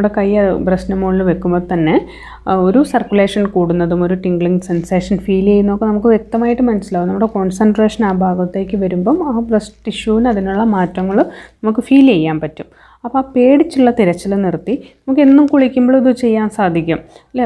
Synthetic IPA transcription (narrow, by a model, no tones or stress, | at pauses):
ɽekɐjɐprɐɕnɐmoːɭilʋe̞kːumboːt̪ɐnːe̞ | o̞ɾusɐrkʲjule̞ːʂɐnkuːɽunːɐðumo̞ɾuʈiŋɡɭiŋɡsenseːʂɐnfiːlejnːo̞ːkːɨnɐmuk̬ːɨʋjek̚t̪ɐmaːjiʈːɨmɐnɐsilaːʋunɐmːuɽe̞ko̞ːnsɐnɖre̞ːʂɐnaːbʱaːɡɐt̪ːe̞ːkʲːɨʋɐɾumbo̞ːmaːbrɐsʈiɕuʋinɐðinuɭːɐmaːtːɐŋːɐɭnɐmukːɨfiːlejːaːnpɐtːum | ɐpːope̞ːɽit͡ɕːiɭːɐt̪iɾɐt͡ɕːɐlnirt̪ːinɐmukːe̞nːumkuɭikʲːumboɭɐðut͡ɕe̞jːaːnsaːd̪ʱikʲːum | le